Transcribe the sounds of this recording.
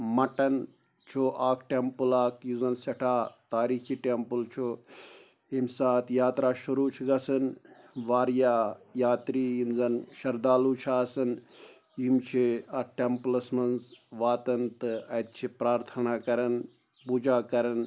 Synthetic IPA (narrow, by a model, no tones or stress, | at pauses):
mɐʈɐn | t͡ʃʰoʔaːkʈempɨlaːkjuzɐnsɐʈʰaːt̪aːɾiːkʰiːʈempult͡ʃʰo | imsaːt̪ʰjaːt̪ɾaːʃuɾuːt͡ʃʰiɡɐsɨn | ʋaːɾjaːjaːt̪ɾiːjimzɐnʃɐɾd̪aːlut͡ʃʰaːsɐn | jimt͡ʃʰiɐʈemplɐsmɐnzʋaːt̪ɐnt̪ɨɐt̪̚t͡ʃʰipɾaːɾt̪ʰɐnaːkɐɾɐn | puːd͡ʒaːkɐɾɐn